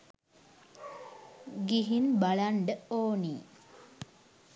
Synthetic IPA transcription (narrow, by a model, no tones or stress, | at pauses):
ɡiɦinbaɭaɳɖəoːni